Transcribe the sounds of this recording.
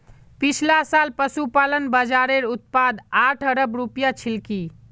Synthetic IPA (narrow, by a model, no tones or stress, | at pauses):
pit͡ʃʰlasalpəsupalənbəd͡ʒaɾeɾut̪̚pad̪aʈʰəɾəbɾupjat͡ʃʰilki